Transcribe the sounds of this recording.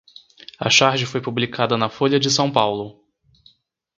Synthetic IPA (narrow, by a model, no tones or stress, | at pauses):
ɐ̰ʃaɾʒɪfojpublikʰad̪ɐnɐfoʎʲjɐd͡ʒɪsɐ̃w̃pawlʊ